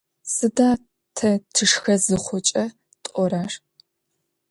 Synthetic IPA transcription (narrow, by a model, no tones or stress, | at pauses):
sɨdaː | tʰɐtʰɨʂxɐzɨχʷʊt͡ʃʼɐ | tʼɔɾaːʂ